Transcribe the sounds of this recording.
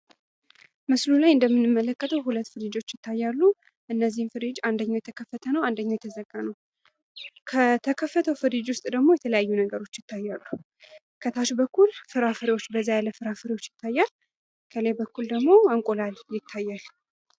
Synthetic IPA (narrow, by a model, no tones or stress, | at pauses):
mɨslulajɨnd̪əmːɨnːɨmːələkʼːət̪ʰəwɦulət̪ːfɨɾid͡ʒo̞t͡ʃːjɪt̪ʰːajːalːu | ʔɨnːəzːihmfɨɾid͡ʒand̪əɲːawjɛt̪ʰəkʰəfːət̪ʰənəwand̪əɲːawjɛt̪ʰəzəɡːanəw | kʰət̪ʰəkʰəfːət̪ʰəwfɨɾid͡ʒwʊst̪ʼd̪əɡmo̞jɛt̪ʰələjajːunəɡəɾo̞t͡ʃːjɪt̪ʰːajːalːu | kʰət̪ʰaʃbəkːulfɨɾafɨɾiwo̞t͡ʃːbəzːajaləfɨɾafɨɾiwo̞t͡ʃːjɪt̪ːajːal | kʰəlebəkːuld̪əɡmo̞əŋkʼolaljɪt̪ʰːajːal